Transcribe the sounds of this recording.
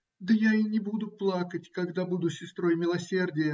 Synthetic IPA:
d̪əjainʲɪbud̪ʊplˠakətʲkɐɡd̪abud̪ʊsʲɪst̪ɾo̞jmʲɪlˠɐsʲe̞rdʲɪjə

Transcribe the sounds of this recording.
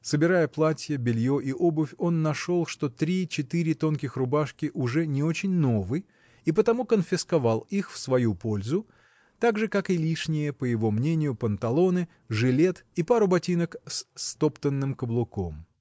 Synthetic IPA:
səbʲɪɾajəplˠatʲjəbʲɪlʲjoʔiʔobʊfʲo̞nːɐʂo̞lˠʂt̪o̞t̪ɾʲit͡ɕɪt̪ɨɾʲɪt̪o̞nkʲɪxrʊbaʂkʲɪʔʊʐɛnʲɪo̞t͡ɕɪnʲnovɨj | ipət̪ɐmukənfʲɪskɐvɑlˠixfsvɐjupo̞lʲzʊ | t̪aɡʐɨkakɪlʲiʂnʲɪjəpəjɪvo̞mnʲenʲɪjʊpənt̪ɐlˠo̞nɨ | ʐɨlʲe̞t̪ipaɾʊbɐtʲinəkst̪opt̪ənːɨmkəblˠʊko̞m

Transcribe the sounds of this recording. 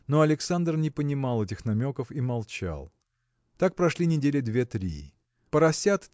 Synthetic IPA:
no̞ɐlʲɪksand̪rnʲɪpənʲɪmalˠɛtʲɪxnɐmʲo̞kəfimɐlˠt͡ɕa̰lˠ | t̪ak̚pɾɐʂlʲinʲɪdʲelʲɪd̪vʲet̪ɾʲi | pəɾɐsʲat̪

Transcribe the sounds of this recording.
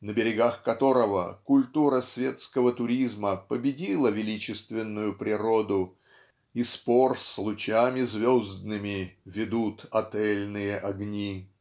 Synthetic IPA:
nəbʲɪɾʲɪɡaxkɐt̪o̞ɾəvə̰kʊlʲt̪uɾəsvʲe̞t̪skəvət̪ʊɾʲizməpəbʲɪdʲilˠəvʲɪlʲit͡ɕɪst̪vʲɪnːʊjʊpɾʲɪɾo̞d̪ʊ | isporslˠʊt͡ɕamʲɪzvʲozd̪nɨmʲɪvʲɪd̪ut̪ɐt̪ɛlʲnɨjəʔɐɡnʲi

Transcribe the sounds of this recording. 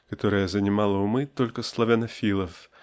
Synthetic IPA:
kat̪ɔɾɐjɐzɐnʲimalˠɐwmɨt̪ɔlʲkɐslˠɐvʲanɐfʲilˠɐf

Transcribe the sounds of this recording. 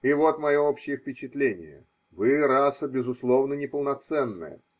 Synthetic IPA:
ivo̞t̪mɐjoopɕːɪjəfʲpʲɪt͡ɕɪt̪lʲenʲɪ̰jə̰ | vɨɾasəbʲɪzʊslˠo̞vnənʲɪpəlˠnɐt̪sɛnːɨ̰jə̰

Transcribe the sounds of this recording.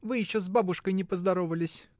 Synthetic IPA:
vɨjɪɕːozbabʊʂkəjnʲɪpəzd̪ɐɾo̞vəlʲɪsʲ

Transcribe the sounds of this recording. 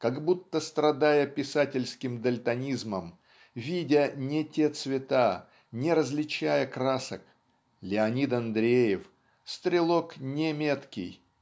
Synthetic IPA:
kaɡbut̪ːəst̪ɾɐd̪ajəpʲɪsatʲɪlʲskʲɪmd̪əlʲt̪ɐnʲizməm | vʲidʲənʲɪtʲet̪svʲɪt̪a | nʲɪɾəzlʲɪt͡ɕæjəkɾasək | lʲɪɐnʲit̪ɐnd̪ɾʲejɪf | st̪ɾʲɪlˠoknʲɪmʲet̪kʲɪ̰j

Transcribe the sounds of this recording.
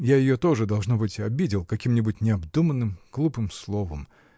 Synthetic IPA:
jajɪjo̞t̪o̞ʐɨd̪ɐlˠʐno̞bɨtʲɐbʲidʲɪlˠkɐkʲimnʲɪbutʲnʲɪɐbd̪umənːɨmɡ̥lˠupɨmslˠo̞vəm

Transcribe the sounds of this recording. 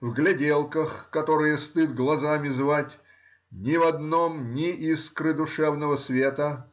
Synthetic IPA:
vɡlʲɪdʲelˠkəxkɐt̪o̞ɾɨjəst̪ɨd̪̚ɡlˠɐzamʲɪzvatʲ | nʲɪvɐd̪nomnʲɪʔiskɾɨd̪ʊʂɛvnəvəsvʲet̪ə

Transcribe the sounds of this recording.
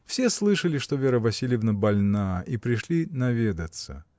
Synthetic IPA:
fsʲe̞slˠɨʂəlʲɪʂt̪o̞vʲeɾəvɐsʲilʲjɪvnəbɐlʲnaipɾʲɪʂlʲinɐvʲed̪ət̪sə̰

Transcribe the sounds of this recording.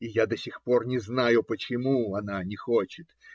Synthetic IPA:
ijad̪ɐsʲixpo̞rnʲɪznajʊpət͡ɕɪmuɐnanʲɪxot͡ɕɪt̪

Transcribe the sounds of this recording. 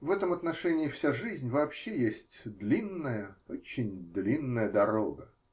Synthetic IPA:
vɛt̪əmɐt̪nɐʂɛnʲɪːɪfsʲaʐɨzʲnʲvɐːpɕːejesʲtʲd̪lʲinːəjəot͡ɕːɪnʲd̪lʲinːəjəd̪ɐɾoɡə

